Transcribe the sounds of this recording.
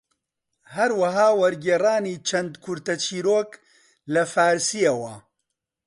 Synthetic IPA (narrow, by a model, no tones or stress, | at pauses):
hɐɾwɐɦaːwɐɾɡeːraːniːt͡ʃʰɐnd̪kʰʊɾt̪ɐt͡ʃʰiːɾoːk | lɐfaːɾsijɐwɐ